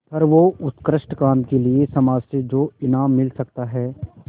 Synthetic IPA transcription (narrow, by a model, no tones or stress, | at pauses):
pʰɐɾʋoʊt̪kɾəʃʈkaːmkeliesɐmaːd͡ʒsed͡ʒoːɪnaːmːɪlsɐkt̪aɦɛː